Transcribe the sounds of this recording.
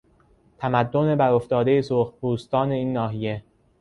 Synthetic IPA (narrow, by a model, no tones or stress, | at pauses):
t̪ʰæmæd̪ːone̞bæɾo̞ft̪ɒːd̪e̞jesoːxbuːst̪ɒːne̞iːnːɒːɦije̞